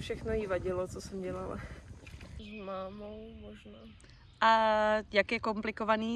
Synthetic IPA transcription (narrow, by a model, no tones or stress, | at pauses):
fʃɛxnojivaɟɪlot͡sosɛmɟɛlala̰ | zmaːmowmoʒnaː | ʔajakjɛkomplɪkovaniː